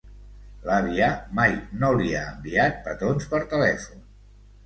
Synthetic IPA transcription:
laβiamajnoliaəmbiat̪̚pət̪onspəɾt̪əlɛfun

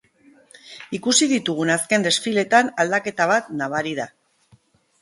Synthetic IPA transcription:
ikusiðit̪uɣ̞unaske̞nd̪e̞sfile̞t̪anald̪ake̞t̪aβ̞at̪naβaɾiða

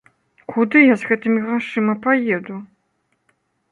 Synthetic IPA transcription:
kʷʰʊdɨjazxɐtʰɨmiʁɐʂɨmɐpʰɐjedu

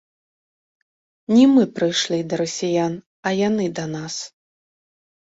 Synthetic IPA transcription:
nʲimɨpɾɨjʂlʲid̪ɐɾɐsʲijan | ɐjanɨd̪ɐnas

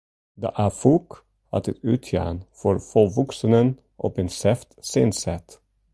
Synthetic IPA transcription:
d̪ḛːʔæːfuːk | ɑ̰t̪ʰɪt̪ʉːt̪ʰjæ̰ːənfɔɾfɔʋɔksənən | ʔɔ̰peːnsɛft̪seːnsɛt̪

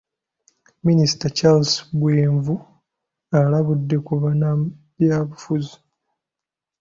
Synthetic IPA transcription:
minisi̥tat͡ʃalsbweːɱvu | alaβudːe̞kuβana | bjaːβufuzi̥

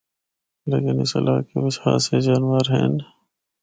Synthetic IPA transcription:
leːkɪnɪsɐ̰laːkeʋɐsha̰ːsed͡ʒaːnʋəɾɦɛ̰̃ːn

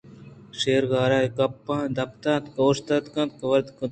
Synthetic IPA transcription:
ʃeːɾɡaːɾaːikɐpːaːd̪ɐpt̪ãːt̪koːʃt̪ɐt̪kɐ̃t̪̚kɐʋɐɾd̪kɐ

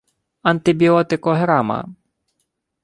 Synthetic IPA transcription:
ɐnt̪ɪbʲiɔt̪ɪkɔɦɾamɐ̰

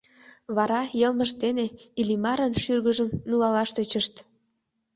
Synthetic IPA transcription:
βɑɾɑjəlməʃt̪eneilimɑɾənʃyrɣəʒəmnulɑlɑʃt̪øt͡ɕəʃt̪

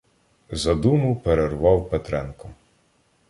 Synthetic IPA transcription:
zɐd̪umʊpeɾerʋɑwpɛt̪ɾɛnkɔ

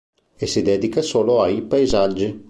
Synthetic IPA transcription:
esid̪ɛd̪ikasoːloajpajzad͡ʒːi

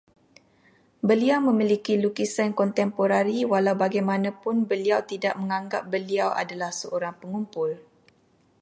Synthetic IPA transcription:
bəliawmə̃milikilukisankɔnt̪ɛmpoɾaɾiwalawbaɡajmãnãpʊnbəliawt̪idaʔ̚məŋãŋɡap̚bəliawa̰dalahsəʔoɾaŋpəŋumpʊl

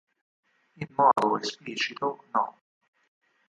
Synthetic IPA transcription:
imːɔːd̪oespliːt͡ʃit̪onɔ̰

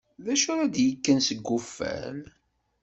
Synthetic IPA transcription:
ðæʃʊɾæd̪jəkːænsəɡːʊfːæ̰m

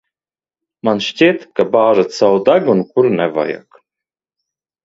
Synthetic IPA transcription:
manʃt͡ɕeːt̪kabaːʒat̪sawd̪aɡunkuɾnɛva̰ja̰k

